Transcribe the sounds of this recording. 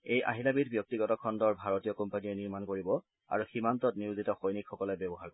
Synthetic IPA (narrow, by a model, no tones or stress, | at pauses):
ejʔa̰ɦilabitbjɔk̚tiɡɔtɔkʰɔndɔɹbʱaɹotijɔkɔmpanijɛniɹmankoɹibɔ | a̰ɹuximantɔtniʊzitɔxojnikʰxɔkɔlɛbɛbɔɦaɹk